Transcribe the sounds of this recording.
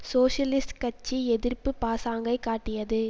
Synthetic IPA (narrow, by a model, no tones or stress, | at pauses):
soːʂɐlɪsʈkɐt͡ʃːiɛðɪrpːɯpaːsaːŋɡɐɪkaːʈːɪjɐðɯ